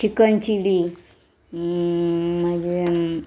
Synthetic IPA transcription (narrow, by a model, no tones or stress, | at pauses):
ikənt͡ɕili | məd͡ʑe